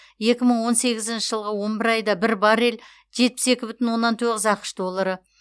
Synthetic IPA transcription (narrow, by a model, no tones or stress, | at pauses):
je̞kʲɪməɴwo̞nse̞ɡʲɪzɪnʃɪʒəlˠʁəwo̞nbɪɾɑjd̪ɑbɪɾbɑɾel | ʒ̥e̞t̪̚pɪ̥se̞kʲɪbʏt̪ɪnwo̞nːɑnt̪ʰɵʁɪzɑqə̥ʃd̪o̞lˠːɑɾə